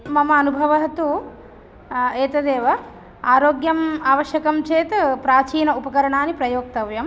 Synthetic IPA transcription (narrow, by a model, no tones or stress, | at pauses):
mɐmɐːnubʱɐʋɐɦɐt̪u | eːt̪ɐd̪eːʋɐ | aːɾoːɡjɐmaːʋɐʃjɐkɐmt͡ʃeːt̪pɾaːt͡ʃiːnɐupɐkɐɾɐɳaːnipɾɐjoːk̚t̪ɐʋjɐm